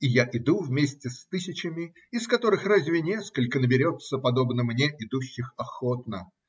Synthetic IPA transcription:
ɪjaʔɪd̪uvmʲesʲtʲɪst̪ɨsʲɪt͡ɕɪmʲɪ | ɪskɐt̪o̞ɾɨxrazʲvʲɪnʲeskəlʲkənəbʲɪɾʲo̞t̪səpɐd̪o̞bnəmnʲeʔɪd̪uɕːɪxɐxo̞t̪̚nə

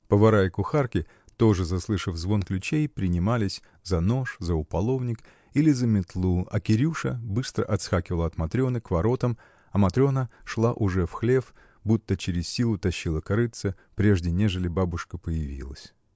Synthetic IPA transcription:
pəvɐɾajɪkʊxarkʲɪ | t̪o̞ʐɨzɐslˠɨʂəvzvo̞nklʲʉt͡ɕejpɾʲɪnʲɪmalʲɪsʲ | zɐno̞ʂzəʊpɐlˠo̞vnʲɪk | ilʲɪzəmʲɪt̪lˠuɐ̰kʲɪɾʲuʂəbɨst̪ɾə̰ʔɐt̪sxakʲɪvəlˠɐt̪mɐt̪ɾʲo̞nɨkvɐɾo̞t̪əm | ɐmɐt̪ɾʲo̞nəʂlˠaʔʊʐɛfxlʲe̞f | but̪ːət͡ɕɪɾʲɪssʲilˠʊt̪ɐɕːilˠəkɐɾɨt̪sə | pɾʲe̞ʐdʲɪnʲe̞ʐɨlʲɪbabʊʂkəpəjɪvʲḭlˠə̰sʲ

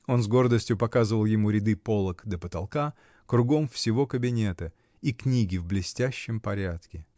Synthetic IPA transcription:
o̞nzɡo̞rd̪əsʲtʲjʊpɐkazɨvəlˠjɪmuɾʲɪd̪ɨpolˠəkd̪əpət̪ɐlˠka | kɾʊɡo̞mfsʲɪvo̞kəbʲɪnʲe̞t̪ə | iknʲiɡʲɪvblʲɪsʲtʲæɕːɪmpɐɾʲat̪kʲɪ

